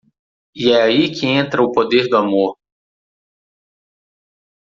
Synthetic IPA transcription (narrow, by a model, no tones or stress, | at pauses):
iɛaikʰɪẽnt̪ɾɐʊpod̪eɾd̪ʊamoɾ